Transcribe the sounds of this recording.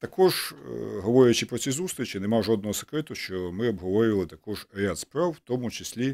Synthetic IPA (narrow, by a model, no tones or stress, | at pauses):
t̪ɐkʰɔʒɦɔʋɔɾʲɪjɐt͡ʃɪpɾɔt͡sʲizust̪ɾʲit͡ʃɪnemaʒɔd̪nɔɦɔsɪ̥kɾɪt̪ʊʃt͡ʃɔmɪɔbɦɔʋɔɾʲiʋɐlˠɪt̪ɐkɔʒɾʲɪat̪spɾawwt̪ɔmʊt͡ʃɪsʲlʲi